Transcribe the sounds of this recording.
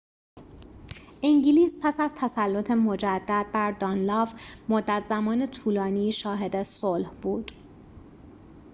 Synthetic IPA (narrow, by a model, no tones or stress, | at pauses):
ʔiŋɟiliːspʰæsæzt̪ʰæsælːot̪ʰemo̞d͡ʒæd̪̥ːæd̪̥̚bæɾd̪ɒːnlɒːvmod̪ːæt̪ʰzæmɒːne̞t̪ʰuːlɒːniːʃɒːɦe̞d̪esolhbuːd̪̥